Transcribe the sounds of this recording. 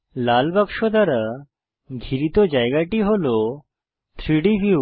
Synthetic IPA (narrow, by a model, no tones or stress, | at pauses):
laːlbəkʂod̪əɾa | ɡʱiɾit̪od͡ʒajɡaʈiɦolo | t̪ʰɾiɽiʋiu